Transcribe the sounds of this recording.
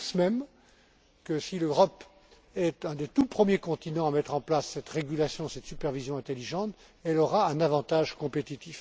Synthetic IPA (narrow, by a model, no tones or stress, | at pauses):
smɛm | kəsiløʁɔp | ɛt̪ɛ̃d̪et̪upχəmjekɔ̃t̪inɑ̃amɛt̪χɑ̃plasːɛt̪ʁeɡʲylasjɔ̃sɛt̪sypɛʁvizjɔ̃ɛ̃t̪eliʒɑ̃t̪ | ɛlɔʁaɛ̃navɑ̃t̪aʒkɔ̃pet̪it̪if